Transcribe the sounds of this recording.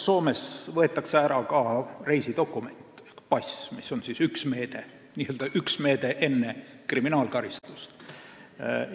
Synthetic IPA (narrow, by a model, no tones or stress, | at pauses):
so̞ːme̞svɤ̞e̞t̪ˑːɑkseæɾɑkɑre̞jsid̪̥o̞kːume̞nʲt̪ˑpɑsʲmiso̞nsisyksme̞ːd̪̥e̞ | nʲiːøld̪ɑʔyksme̞ːd̪̥e̞ʔe̞nːe | kriminɑːlkɑɾist̪u̥st̪